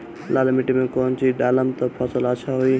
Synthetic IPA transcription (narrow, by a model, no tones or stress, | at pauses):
laːlmɪʈimẽkoːnt͡ʃiɗaːləmt̪ɐpʰəsələt͡ʃʰaɦuiː